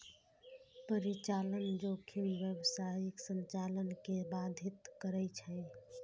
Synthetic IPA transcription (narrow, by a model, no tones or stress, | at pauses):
pəɾit͡ʃalənd͡ʒokʰimʋjəbsajiksənt͡ʃalənkebad̪ʱit̪kəɾət͡ʃʰə